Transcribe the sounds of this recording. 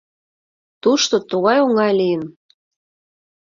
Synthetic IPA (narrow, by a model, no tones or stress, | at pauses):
t̪uʃt̪ot̪uɣɑjoŋɑjlijən